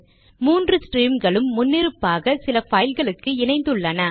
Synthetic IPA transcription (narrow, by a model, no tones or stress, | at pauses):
muːndrɯsʈriːmɡɐɭɯmːʊnːɪɾɯpːaːɣɐsɪlɐfɐjɪlɣɐɭɯkːɯɪnɐɪnd̪ɯɭːɐnɐ